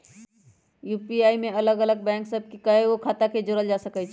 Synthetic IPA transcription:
jupiaimeələɡələɡ̚bɛ̃ŋksəb̚ʱkikəɦeokʰat̪aked͡ʒoɾəld͡ʒasəkɛt͡ʃʰ

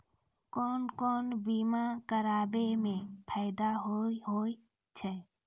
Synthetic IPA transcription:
kɔːnkɔːnbimakəɾaːbemẽpʰaːɪd̪aɦoiɦoːi | t͡ʃʰɛ

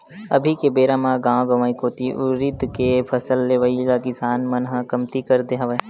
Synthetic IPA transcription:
ɐ̰bʱikebeːɾamãɡãːɡɐʋaːikoːt̪iʔʊɾit̪kepʰɐsəlːeːʋəilakɪsaːnmɐnɦəkɐmt̪ikɐɾd̪eɦaʋə

